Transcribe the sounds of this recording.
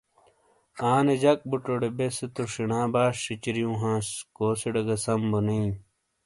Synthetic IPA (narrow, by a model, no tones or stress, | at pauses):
aːned͡ʑɐk̚buʈoɽebeset̪oʂinãːbaːʂʂit͡ɕiɾijũːɦãːskoːsiɖɐɡɐsɐmbonii